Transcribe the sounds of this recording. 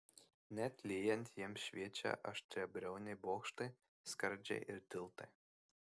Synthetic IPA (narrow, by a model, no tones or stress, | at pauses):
nʲæt̪ʲlʲiːjɛnʲt̪ʲjiɛmɕʲvʲiɛt͡ʃʲɛ̰ʔɐ̰ʃt̪ʲɾʲɛbʲɾʲɛwnʲɪbɔːkʃt̪ɨ | skɐɾʲd͡ʒʲɛ̰ʔɪɾt̪ʲɪlˠt̪ɨ